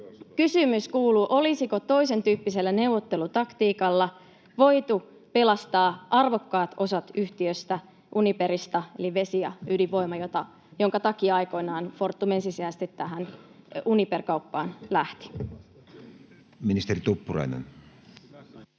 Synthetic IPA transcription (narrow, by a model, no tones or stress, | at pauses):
kysymyskuːluʔo̞lisiko̞t̪o̞ise̞nt̪yːpːise̞lːæne̞wʋot̪ːe̞lut̪ɑkt̪iːkɑlːɑ | ʋo̞jt̪u | pelɑst̪ɑːʔɑrʋo̞kːɑːt̪o̞sɑt̪yht̪iøst̪æ | ʔunipeɾist̪ɑeliʋe̞sijɑydiʋʋo̞imɑjot̪ɑ | jo̞ŋkɑt̪ɑkiɑjko̞inɑːnfo̞rt̪ːume̞nsisiæst̪it̪t̪ːæɦænuniperkɑupːɑːnlæht̪i̥ | minist̪eɾit̪upːurɑ̰inḛn